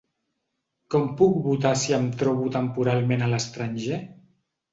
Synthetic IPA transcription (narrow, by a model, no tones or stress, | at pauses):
kɔmpuk̚βut̪asiəmt̪ɾɔβut̪əmpuɾalˠmenələst̪ɾanʲʒe